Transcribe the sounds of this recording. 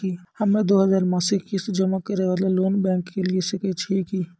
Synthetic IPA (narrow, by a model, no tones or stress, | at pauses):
ihəmːẽd̪oːɦəzaːɾmãːsekːisd͡ʒəmakəɾeʋət̪ləloːnbɛ̃ːŋkːeliesɪkət͡ʃʰikiː